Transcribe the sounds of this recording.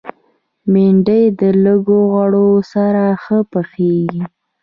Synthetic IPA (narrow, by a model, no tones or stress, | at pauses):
meɳɖəjd̪ələɡoɣaɽosaɾaxəpəxeɡi